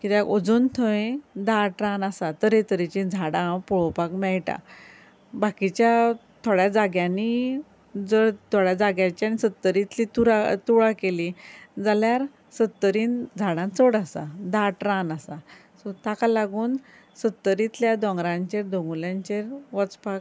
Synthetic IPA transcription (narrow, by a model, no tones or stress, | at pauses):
kit̪aɡod͡zuːnt̪ʰəẽd̪aʈɾãnasat̪əɾet̪əɾit͡ɕĩnd͡zʱaɽãpuɭopakmɛɭʈa̰ | bakit͡ɕja | t̪ʰoɽjad͡zaɡjãni | d͡zəɽt̪ʰoɽjad͡zaɡjãt͡ɕjanisət̪ːəɾit̪lit̪uɾat̪uɭakelid͡zaljaɾ | sət̪ːəɾiːnd͡zʱaɽãt͡səɽasa̰d̪aʈɾãnasa | sɔt̪akalaɡuːn | sət̪ːəɾit̪ljad̪ɔ̃ŋɡɾãɲt͡ɕeɾd̪õŋɡuljãɲt͡ɕeɾʋɔt͡spak